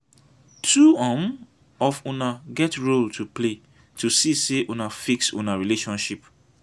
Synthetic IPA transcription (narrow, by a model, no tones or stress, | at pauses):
tʰuãm | ɔfũnaɡɛtɹoltʰuple | tʰusiseʔunafiksṵ̃naɹileʃɔ̃nʃip